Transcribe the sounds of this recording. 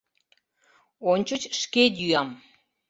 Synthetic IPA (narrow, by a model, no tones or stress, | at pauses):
onʲt͡ɕət͡ɕʃkedyɑm